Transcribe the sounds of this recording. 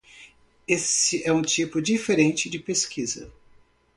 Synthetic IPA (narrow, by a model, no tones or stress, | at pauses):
esɪɛũt͡ʃipʊd͡ʒifeɾẽnt͡ʃɪd͡ʒɪpeskʰizɐ̰